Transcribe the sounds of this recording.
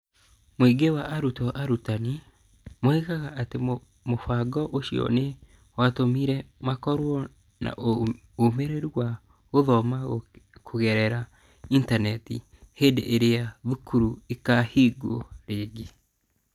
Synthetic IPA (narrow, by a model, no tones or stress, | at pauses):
mwiɡewaʔaɾutɔʔaɾutani | moikaɣaʔate | mofaɡɔʔoʃiɔ̰ne | watomiɾɛmakɔɾwɔ | na̰ʔo | omeɾeɾuwa | ɣoðɔmakʰoɣɛɾɛɾa | intanɛtḭ | heːndeʔeɾeaðukuɾuekahiːɡoɾeːɡe